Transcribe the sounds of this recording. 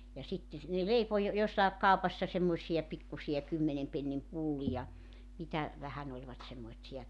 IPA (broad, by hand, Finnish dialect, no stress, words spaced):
jɑ sitːe ne leipo jo josːɑˑek kɑupɑsːɑ semːoĭsijɑ pikːusiɑ kymːenem penːim pulːijɑ mitæ ʋæhæn olʲʋɑt semːoĭtsiɑ